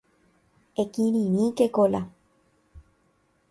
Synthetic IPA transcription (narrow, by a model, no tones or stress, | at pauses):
ekĩɾĩɾĩkekola